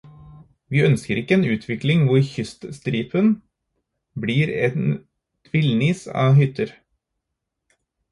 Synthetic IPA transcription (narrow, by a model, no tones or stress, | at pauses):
ʋiːœnskəɾɪkːəeːnʉːt̪ʰʋɪklɪŋʋʊɾçʏst̪st̪ɾiːpʰən | bliːɾɛn | t̪ʰʋɪlniːsɑ̰ːhʏt̪əɾ